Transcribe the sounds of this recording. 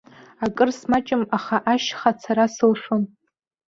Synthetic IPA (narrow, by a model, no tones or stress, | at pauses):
akʼɨrsmat͡ʃʼɪmaχaʔaʃχat͡sʰaɾasɨlʂon